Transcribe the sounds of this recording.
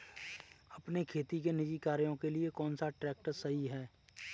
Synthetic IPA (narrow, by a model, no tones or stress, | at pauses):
ɐpnekʰeːt̪ikenɪd͡ʒikaːɾjõkeliekɔːnsaʈɾɛːk̚ʈəsɐɦiɦɛː